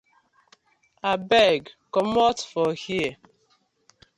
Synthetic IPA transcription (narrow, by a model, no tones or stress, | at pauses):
abɛɡkɔmɔtfɔhie